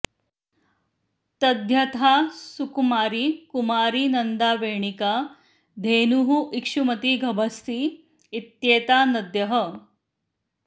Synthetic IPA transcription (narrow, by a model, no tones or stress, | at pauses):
t̪ɐd̪ʱjɐt̪ʰaːsukumaːɾikumaːɾinɐnd̪aːʋeːɳika | d̪ʱeːnuɦuʔikʂumɐt̪iɡʱɐbʱɐst̪iː | t̪jeːt̪aːnɐd̪jɐɦə